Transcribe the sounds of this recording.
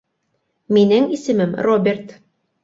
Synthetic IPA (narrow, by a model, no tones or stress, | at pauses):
minɘŋisɘ̆mɘmrobʲert̪